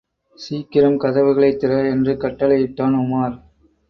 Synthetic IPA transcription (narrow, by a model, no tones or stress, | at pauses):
siːkɪɾɐmkɐðɐʋɯɣɐɭɐɪt̪ːɪrɐɛndrɯkɐʈːɐlɐjɪʈ̪ːaːnʊmaːɾ